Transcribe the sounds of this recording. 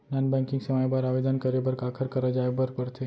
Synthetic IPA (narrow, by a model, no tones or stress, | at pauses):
nanbɛ̃ŋkiŋɡsəmajbaɾaʋed̪ənkəɾebəɾkakʰəɾkəɾəd͡ʒaebəɾpəɾt̪ʰe